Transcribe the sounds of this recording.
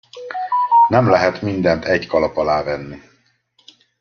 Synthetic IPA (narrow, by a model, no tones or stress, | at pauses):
nɛmlɛɦɛt̪mind̪ɛnt̪ʰɛɟkɒlɒpɒlaːvɛnːi